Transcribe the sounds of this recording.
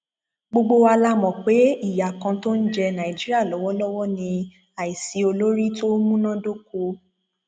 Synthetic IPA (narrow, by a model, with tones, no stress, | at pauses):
ɡ͡bo˧ɡ͡bo˧wa˧la˦mɔ̃˨k͡pe˨˦i˦˨ja˨kã˧to˦n̩˦d͡ʒɛ˦˧nã˨ĩ˨d͡ʒi˦ɾi˦a˦˨lɔ˨˦wɔ˦lɔ˦wɔ˦nĩ˧ | a˨i˨si˨o˧lo˦ɾi˦to˦mũ˦nã˦do˦ko˧